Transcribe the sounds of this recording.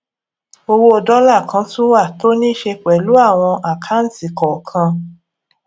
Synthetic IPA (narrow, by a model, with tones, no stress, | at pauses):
o˧wo˦o˧dɔ˦la˦˨kʰã˧tũ˦wa˦˨to˦nĩ˦ʃe˧k͡pɛ˨lu˨˦a˦˨w̃ɔ̃˧ʔa˨kʰa˦n̩˦ti˨kɔ˨kʰã˧